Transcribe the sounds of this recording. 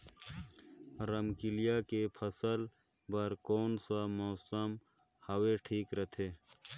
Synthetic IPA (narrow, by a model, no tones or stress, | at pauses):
ɾɐmkɪlɪjakepʰɐsəl | bɐɾkoːnsamoːsəm | hɐweʈʰiːkɾɐt̪ʰeː